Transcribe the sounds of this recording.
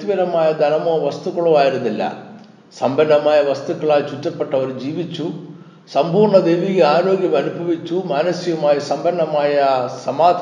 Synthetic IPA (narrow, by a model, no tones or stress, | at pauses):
ʋɐɾɐmaːjɐd̪ʱɐnɐmoːʋɐst̪ukːɐɭuʋaːjiɾɐd̪ilːɐ̰ | sɐmbʱɐɳːɐmaːjɐʋɐst̪ukːɐɭaːjt͡ʃut͡ʃːɐpːɐʈːɐʋɐɾd͡ʒiːʋit͡ʃːu | sɐmpuːɾɳɐd̪ejʋiɡeaːɾoːɡjɐmɐnubʱɐʋit͡ʃːumaːnɐsijɐmaːjɐsɐmbɐɳːɐmaːjɐsɐmaːd̪ʱ